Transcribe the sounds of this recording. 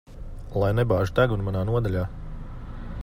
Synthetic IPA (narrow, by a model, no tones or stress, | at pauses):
lˠajnɛbaːʒut̪æɡunmanaːnuɔd̪alʲaː